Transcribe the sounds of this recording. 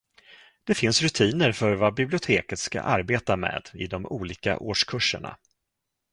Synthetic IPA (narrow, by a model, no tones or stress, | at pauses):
d̪̥ɛfɪnsɾɵt̪ʰiːnəɾfœɾvabɪblɪʊt̪ʰeːkət̪ska̰ʔaɾbeːt̪amḛːd̪̥ɪd̪ɔmuːliːka̰ʔoːʂkʰɵʂə̰ɳa̰